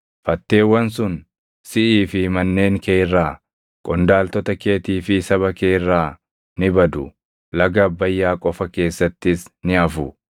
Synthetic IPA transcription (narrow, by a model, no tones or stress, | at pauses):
fɐt̪ːe̞ːwːɐns̬ʊn | sɪʔiːfɪmɐnːeːŋkeːrːaː | kʼɔnd̪aːlt̪ɔt̪ɐke̞ːt̪iːfɪsɐβɐkeːrːaː | nɪbɐd̪ʊ | lɐɡɐbːɐjːaːkʼɔfɐke̞ːsːɐt̪ːɪsnɪɐfʊ